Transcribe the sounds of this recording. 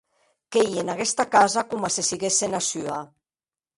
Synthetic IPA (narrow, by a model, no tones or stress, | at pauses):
kejenaɣest̪akazakumasesiɣesenasya